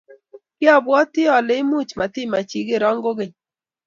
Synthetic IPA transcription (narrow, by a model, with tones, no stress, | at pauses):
kɪ˦ɔ˦bwɔ˦tɪ˦ɔ˨lɪ˨˦ɪ˦mu˦t͡ʃma˨tɪ˦ma˨t͡ʃi˨ɡe˦ɾɔ˦ŋɡo˦ɡe˨ɲ